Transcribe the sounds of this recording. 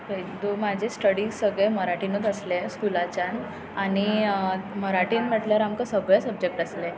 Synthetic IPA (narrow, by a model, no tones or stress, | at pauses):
ed̪omad͡ʑʱesʈəɽisəɡɭeməɾaʈinot̪əsleskulat͡ɕãn | aɽ̃i | məɾaʈiːnmɛʈlaɾamkəsəɡɭəsəb̚d͡ʑek̚ʈəsle